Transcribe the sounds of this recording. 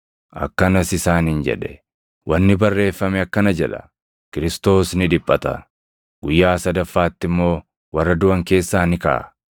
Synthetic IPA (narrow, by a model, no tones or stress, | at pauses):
ʔɐ̰kːɐnɐsɪsaːnɪnd͡ʒɛ̰ᶑɛ̥ | wʔɐnːɪbɐrːe̞ːfːɐmɛɐkːɐnɐd͡ʒɛᶑɐ̥̰ | kɪɾɪst̪o̞ːsnɪᶑɪpʼːɐt̪ɐ̰ | ɡ̥ʊjːaːsɐd̪ɐfːaːt̪ːɪmːo̞ː | wɐrːɐd̪ʊɐŋke̞ːsːaːnɪkɐ̰ʔɐ̰